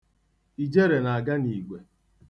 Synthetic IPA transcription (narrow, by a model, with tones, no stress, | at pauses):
i˨d͡ʒe˦ɾe˨na˨a˨ɡa˦ni˨ɡ͡be˨